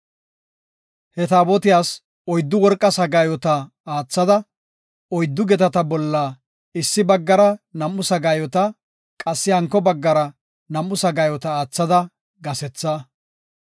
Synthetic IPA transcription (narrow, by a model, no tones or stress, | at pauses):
hɛt̪aːbɔt̪ɪjaːs | ɔjd̪ːʊwɔɾkʼːɐsɐɡaːjɔt̪ɐ | aːt͡sːɐd̪ɐ | ɔjd̪ːʊɡɛt̪ɐt̪ɐbɔlːaː | ɪsːɪbɐɡːɐɾɐnɐmːʊsɐɡaːjɔt̪ɐ | kʼɐsːɪhɐŋkːɔbɐɡːɐɾɐ | nɐmːʊsɐɡaːjɔt̪ɐaːt͡sːɐd̪ɐ | ɡɐsɛt͡sːa